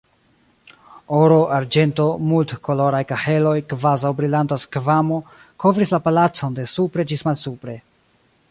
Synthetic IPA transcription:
oɾo̞ʔaɾd͡ʒe̞nto̞multkʰo̞lo̞ɾajkaħe̞lo̞jkvazawbɾilantaskvamo̞ | kʰo̞vɾislapalat͡so̞nde̞supɾe̞d͡ʒismalsupɾe̞

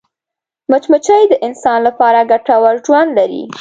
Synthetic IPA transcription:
mət͡ʃmət͡ʃəjd̪əʔɪnsɑnlapɑɾaɡaʈawaɾʒwand̪laɾḭ

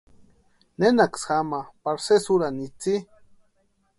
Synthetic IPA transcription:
nenaksxamapaɾsesuɾanit͡si

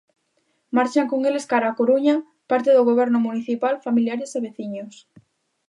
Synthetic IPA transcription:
maɾt͡ʃaŋkoŋeleskaɾaakoɾuɲa | paɾt̪eðʊɣ̞oβ̞ɛɾnʊmuniθipalfamiljaɾeseβeθiɲos

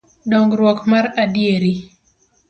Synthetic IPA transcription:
dɔŋɡɾwɔkmaɾadieɾi

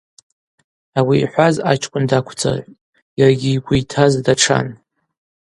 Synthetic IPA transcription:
awiːħʷazat͡ʃʰʼkʷʼʊndakʷʰt͡sʰa̰ʕʷ | jaraɡʲiːɡʷujtʰazdaʈ͡ʂʰa̰n

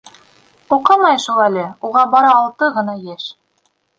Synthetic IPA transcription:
uqɤmɑjʃulˠælɘuʁɑbɑɾɑːlˠt̪ɤʁɤ̆nɑjeʃ

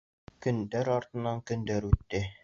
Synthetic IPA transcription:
kɵ̆nd̪æɾɑɾt̪ɤ̆nɑŋkɵ̆nd̪æɾʉt̪ːɘ

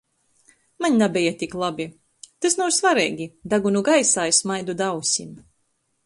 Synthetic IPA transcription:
maɲʲnabʲɛjat̪ʲiklˠabʲi | t̪asnawsvaɾɛjɡʲid̪aɡunuɡajsaːjsmajd̪ud̪awsʲim

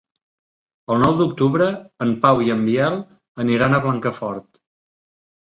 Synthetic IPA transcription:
əlˠnɔwd̪uk̚t̪uβɾəːmpawiəmbiɛlˠ | əniɾanəβlaŋkəfɔɾt̪

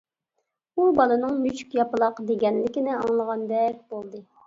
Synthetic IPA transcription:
ubɑlˠɨnɨŋmyt͡ʃy̥kʲjɑpɨlˠɑqd̪eɡʲɛnlɪkʲinɪɑŋlˠəʁɑnd̪ɛkʲbolˠd̪ɨ

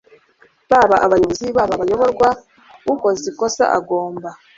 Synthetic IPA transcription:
βaβaʔaβajoβoziβaβaβajo̞βo̞ɾɡwa | uko̞ziko̞sa̰ʔa̰ɡo̞ːmba

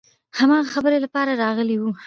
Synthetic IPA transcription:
hamɑɣaxabəɾelapɑɾaɾɑɣəliwu

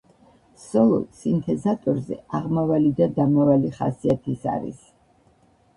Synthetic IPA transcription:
sɔlˠɔ̰sint̪ʰɛzat̪ʼɔɾzɛ̰aʁmavalid̪ad̪amavaliχa̰siat̪ʰisa̰ɾḭs

